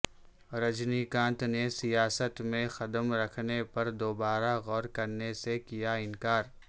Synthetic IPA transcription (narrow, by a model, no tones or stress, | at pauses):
ɾɐd͡ʒnikãːnt̪nesijaːsət̪mẽxɐd̪əmɾɐkʰnepɐɾd̪oːbaːɾaɣɔːɾkɐɾnesekijaɪnkaːɾ